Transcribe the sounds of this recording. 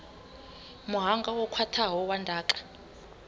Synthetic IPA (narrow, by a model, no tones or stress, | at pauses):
muɦaŋɡawɔkʰatʰaɦɔwandʱaːǃḁ